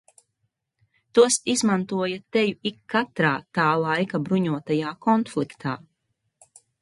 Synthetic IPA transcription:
t̪uɔsizmant̪uɔjat̪ɛjuikːat̪ɾaːt̪aːlˠajkabɾuɲuɔt̪ajaːkɔnflˠikt̪ʰaː

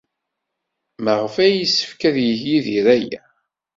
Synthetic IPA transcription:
məʁəfæjisːə̥fkæðjəçjiðiɾæjæ̰

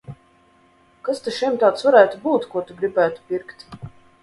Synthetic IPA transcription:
kast̪eʃimt̪aːt̪svaɾæːt̪ubuːt̪kuɔt̪uɡɾibæːt̪u̥pʲiɾkt̪

